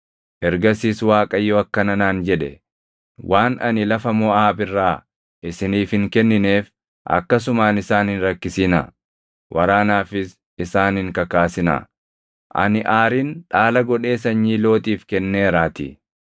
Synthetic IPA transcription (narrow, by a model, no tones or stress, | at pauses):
ʔɛɾɡɐsiːswaːkʼɐjːoɐkːɐnɐnaːnd͡ʒɛᶑɛ | wʔaːnʔɐ̰nɪlɐfɐmɔaːbɪrːaː | ʔɪsɪniːfhɪŋkɛnːɪne̞ːf | ʔɐ̰kːɐs̬ʊmaːnɪsaːnhɪnɾɐkːɪsɪnɐ̰ | wʔɐɾaːnaːfɪs | ɪsaːnhɪŋkɐkaːsɪnɐ̰ | ʔɐ̰nɪʔaːɾinᶑaːlɐɡɔᶑe̞ːsɐɲːiːlo̞ːt̪ʼiːfkɛnːeːɾaːt̪ɪ